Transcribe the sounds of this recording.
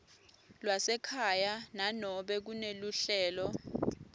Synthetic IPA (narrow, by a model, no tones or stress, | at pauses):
lwasɛkʰajananɔɓɛk̬uneluɬɛːlɔ